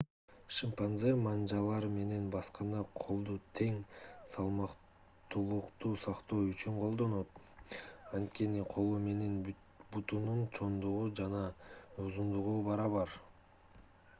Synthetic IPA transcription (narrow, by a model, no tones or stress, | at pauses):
ʃɨmpanzemɑnd͡ʒɑlˠɑɾme̞ne̞nbɑsqɑnd̪ɑqʰo̞lˠd̪ut̪ʰe̞ŋsɑlˠmɑq | t̪ulˠuqt̪uːsɑqt̪o̞ːyt͡ʃyɴqʰo̞lˠd̪o̞no̞t̪ | ɑnt̪̚ke̞niqʰo̞lˠume̞ne̞n | but̪ununt͡ʃʰo̞nd̪uʁud͡ʒɑnɑuzund̪uʁubɑɾɑβɑɾ